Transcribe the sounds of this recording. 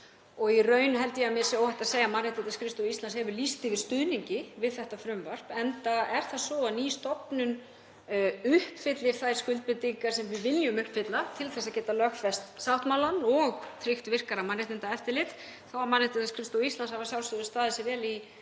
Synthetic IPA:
ɔɣirœːɥnɦɛlt̪ɪjɛamjɛsowhɛht̪aseːjamanːɪht̪ɪnt̪askʰɾɪst̪owist̪lanshɛvʏɾlist̪ɪvɪɾ̥st̪ʏðniɲcɪvɪðθɛht̪afɾʏmvar̥pɛnt̪aɛɾ̥θaðsɔaniːst̪ɔpnʏn | ʏhpfɪt̪lɪɾ̥θajɾ̥skʏlt̪̚pɪt̪iŋkaɾ̥sɛmvɪvɪljʏmʏhpfɪt̪lat̪ʰɪlθɛsːaðcɛːt̪alœxfɛst̪sawht̪mawlanɔɣt̪ʰɾɪxt̪vɪr̥kaɾamanːɪht̪ɪnt̪aɛft̪ɪɾlɪt̪ | θawamanɪht̪ɪaskʰɾɪst̪owist̪lanshavasjawlsʏðʏst̪aːðɪsɪvɛːli

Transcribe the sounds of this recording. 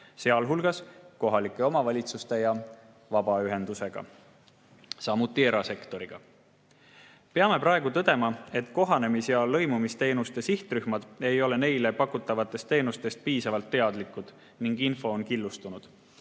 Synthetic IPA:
se̞ɑlɦulɡ̥ɑsko̞ɦɑlikːˑe̞o̞mɑvɑlʲit̪sust̪e̞jɑ | vɑbɑyɦe̞nd̪̥use̞ɡ̥ɑ̰ | sɑmut̪ːˑie̞ɾɑse̞kt̪o̞ɾiɡ̥ɑ | pe̞ɑme̞pɾɑeɡ̥ut̪ɤd̪e̞mɑe̞t̪ːˑko̞ɦɑne̞misjɑlɤ̞jmumist̪e̞ːnust̪e̞siht̪ryhmɑd̪̥e̞jo̞le̞ne̞jle̞pɑkːˑut̪ːˑɑvɑt̪ːˑe̞st̪ːe̞ːnust̪e̞st̪̚piːsɑvɑlt̪ːe̞ɑd̪̥likːˑud̪̥ | niŋɡinfo̞ːnkilːust̪unud̪̥

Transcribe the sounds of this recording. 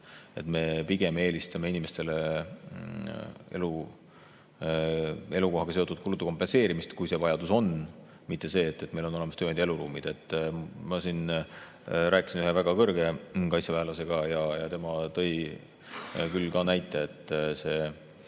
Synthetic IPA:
e̞t̪me̞piɡ̥e̞meːlist̪ɑmeinime̞st̪e̞le | ḛlu | e̞luko̞ɦɑɡɑse̞o̞t̪ːˑud̪̥kulut̪ːˑuko̞mpːe̞nse̞ːɾimist̪kujse̞vɑjɑd̪uso̞n | mit̪ːe̞se̞ːt̪ːe̞t̪ːme̞jlo̞no̞lemɑst̪øːnd̪̥e̞luɾuːmid̪̥e̞t̪ːmɑsin | ɾæːkˑi̥sinyhɦe̞væɡ̥ɑkɤrɡe̞kɑjt̪sevæːlɑse̞ɡ̥ɑjɑjɑt̪e̞mɑt̪ɤ̞j | kylkɑnæjt̪ːˑeet̪ˑːse̞ː

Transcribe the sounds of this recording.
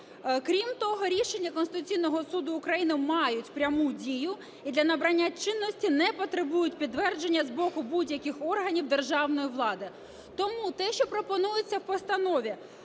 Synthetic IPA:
kɾʲimt̪ɔɦɔɾʲiʃe̞nʲːɐkɔnst̪ɪt̪ʊt͡sʲijnɔɦɔsud̪ʊːkɾɐjinɪmɑjʊtʲpɾʲɐmudʲijʊ | id̪lʲɐnɐbɾɐnʲːat͡ʃɪnːɔsʲtʲinɛpɔt̪ɾebujʊtʲpʲid̪ʋɛrd͡ʒenʲːɐzbɔkʊbudʲjɐkʲɪxɔrɦɐnʲiwd̪erʒɑwnɔjiʋlˠɑd̪ɪ | t̪ɔmut̪ɛʃt͡ʃɔpɾɔpɔnujɪt͡sʲːɐwpɔst̪ɐnɔʋʲi

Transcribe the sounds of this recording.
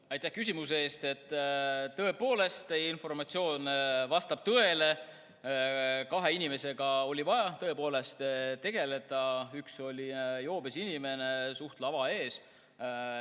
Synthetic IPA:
ɑjt̪ːˑæhkys̬ʲimus̬eeːst̪e̞t̪ːˑt̪ːɤ̞e̞po̞ːle̞st̪einfo̞rmɑt̪sio̞ːnvɑst̪ɑb̥̚t̪ɤe̞le̞ | kɑɦe̞inʲime̞se̞ɡ̥ɑo̞lʲivɑjɑt̪ɤepo̞ːle̞st̪t̪e̞ɡ̥e̞le̞d̪̥ɑykso̞lʲijo̞ːb̥esinʲime̞ne̞suht̪lɑvɑe̞ːs

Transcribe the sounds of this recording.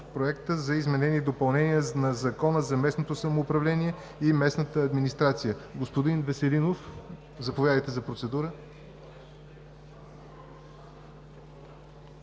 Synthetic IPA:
pɾoɛkt̪əzɐizmɛnɛnid̪opɐlˠnɛnijənɐzɐkɔnəzɐmɛsnot̪osɐmoːpɾɐvlɛniɛ | imɛsnət̪əːd̪minist̪ɾat̪sijəɡospod̪invɛsɛlinof | zɐpovjad̪əjt̪ɛzɐpɾot̪sɛd̪uɾə

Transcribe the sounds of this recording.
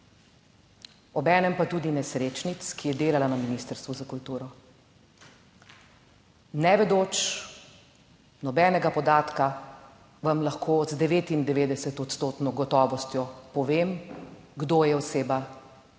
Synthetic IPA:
ɔbɛːnɛmpat̪uːd̪inɛsɾeːt͡ʃnit̪skijɛd̪eːlalanaminist̪əɾst̪vʋuzakult̪uːɾɔ | nɛʋɛd̪oːt͡ʃ | nɔbɛːnɛɡapɔd̪aːt̪ka | ʋamlaxkʰoːzd̪ɛʋeːt̪ind̪ɛʋeːd̪ɛsɛt̪ɔt̪st̪oːt̪nɔɡɔt̪ɔːʋɔst̪jɔpɔʋeːmɡd̪oːjɛɔseːba

